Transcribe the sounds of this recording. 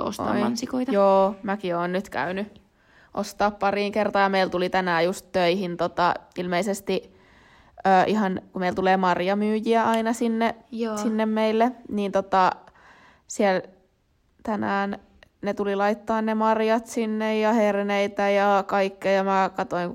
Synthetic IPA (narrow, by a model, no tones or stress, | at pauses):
o̰sɑ̰ɑnsikoit̪ɑjoːmækioːnnyt̪kæ̰yny | ʔo̰st̪ɑːppɑriːŋkert̪ɑːɑmeilt̪ulit̪ænæːjust̪tøihint̪ot̪ɑilmeisest̪i | øːʔihɑnkumeilt̪uleːmɑrjɑmyːjiæɑinɑsinːejsinːemmeilːeniːnt̪ot̪ɑ | siel | t̪ænæːn | net̪ulilɑit̪ːɑːnnemɑrjɑt̪sinːejjɑherneit̪æjɑkɑikːejɑmækɑt̪oiŋ